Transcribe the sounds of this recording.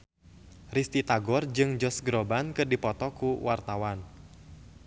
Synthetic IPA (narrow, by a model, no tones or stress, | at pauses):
rist̪it̪aɡɔrd͡ʒɨŋd͡ʒɔsɡɾobankɨrdipɔt̪ɔkuwart̪awan